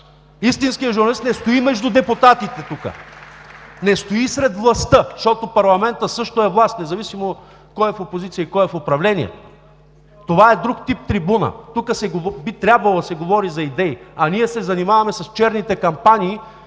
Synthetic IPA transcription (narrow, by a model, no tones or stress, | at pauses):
ist̪inskijəʒuʊɾnɐlist̪nɛst̪oimɛʒd̪ud̪ɛpʊt̪at̪it̪ɛt̪ukə̰ | nɛst̪oisɾɛd̪vlˠɐst̪əʃt̪ɔt̪opɐɾlˠɐmɛnt̪əsɤʃt̪oɛvlˠast̪nɛzɐvisimo | kɔjɛfopozit̪sijəikɔjɛfopɾɐvlɛnḭɛ̰ | t̪ovaɛd̪ɾukt̪ip̚t̪ɾibunə̰t̪ukəsɛɡbit̪ɾʲabvɐlˠod̪ɐsɛɡovɔɾizɐid̪ɛiɐniɛsɛzɐnimavɐmɛsɐst͡ʃɛɾnit̪ɛkɐmpanʲiː